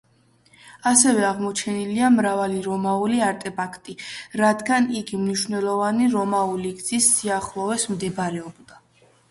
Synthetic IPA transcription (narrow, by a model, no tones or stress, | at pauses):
asɛvɛaʁmɔt͡ʃʰɛniliamɾavaliɾɔmauliaɾt̪ʼɛpʰakʰt̪ʼiɾad̪ɡaniɡimniʃvnɛlˠɔvaniɾɔmauliɡd̪z̥isːiaχlˠɔvɛsmd̪ɛbɾɛɔbd̪a